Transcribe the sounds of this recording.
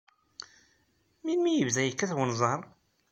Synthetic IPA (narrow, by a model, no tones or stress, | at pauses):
minmijəvðæjəkːæθwənzˤəɾˤ